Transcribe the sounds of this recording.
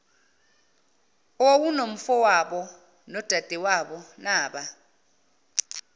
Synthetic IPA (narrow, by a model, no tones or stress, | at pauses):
wowunom̩fɔwaɓɔ | nɔd̥ʱad̥ʱɛwaɓɔnaːɓa